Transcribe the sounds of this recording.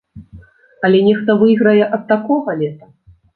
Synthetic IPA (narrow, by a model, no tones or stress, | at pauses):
ɐlʲɛnʲɛxt̪ɐvɨjɣɾɐjɛʔɐt̪̚t̪akɔɣɐlʲɛt̪ɐ